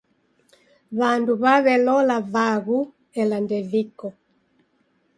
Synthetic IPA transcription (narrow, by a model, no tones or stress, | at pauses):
βanduβaβɛlɔlavaɣu | ɛlandɛvikɔ